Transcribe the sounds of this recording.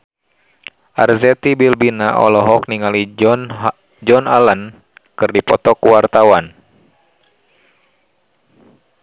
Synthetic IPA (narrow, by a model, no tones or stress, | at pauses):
ʔarzɛt̪ibilbinaʔɔ̰lɔɦɔk̚niŋali | d͡ʒɔnalən | kɨrdipɔt̪ɔkuwart̪awan